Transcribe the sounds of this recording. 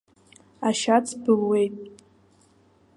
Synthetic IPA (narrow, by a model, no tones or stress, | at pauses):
aʃat͡sʰbɨlwe̞jtʼ